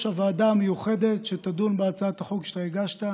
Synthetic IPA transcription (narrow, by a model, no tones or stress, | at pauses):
ʃavaːd̪amejuχe̞d̪et̪ʃet̪ad̪unbeat͡saat̪aχokʃe̥t̪ajeɡaʃt̪a